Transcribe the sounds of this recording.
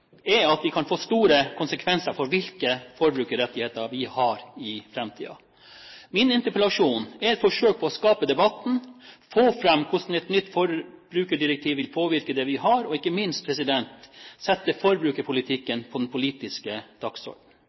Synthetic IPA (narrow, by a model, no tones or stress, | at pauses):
ɛɑt̪ʋɪkʰɑnfoːst̪uːɾəkʰʊnsəkʰʋɛnsəɾfɔɾʋɪlkəfɔɾbɾʉːkəɾɛt̪ːɪheːt̪əɾʋɪhɑɾɪfɾɛmt̪ʰḭːɑ̰ | mɪnɪnt̪əɾpəlɑʂuːnɛɾɛt̪fɔʂøːk̚pʰɔɔskɑːpəd̪ɛbɑt̪n̩foːfɾɛmːkʰʊʂn̩ɛt̪nʏt̪ːfɔɾb̥ɾʉːkəɖɪɾɛk̚t̪ʰiːʋɪlpʰoːʋɪɾkəd̪ɛʋɪɦɑɾɔɪkːəmɪnst̪pʰɾɛsɪd̪ɛnt̪sɛt̪ːəfɔɾbɾʉːkəpʰʊlɪt̪ʰɪkːənpʰɔd̪ɛnpʰʊliːt̪ɪskəd̪̥ɑksɔ̰ɾɖn̩